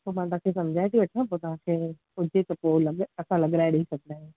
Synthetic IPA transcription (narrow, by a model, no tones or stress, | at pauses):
oːmãt̪ʊʋɦãkʰeːsɐmd͡ʑʱaːeʈ̪ʰiʋɐʈʰiãp̬oːt̪ɐʋ̤ãkʰeː | ʊd͡ʑʱet̪ɐpoːlɐɡɐsãlɐɡɾaːeɗɐɦisɐɡ̚ʱd̪aːɦẽ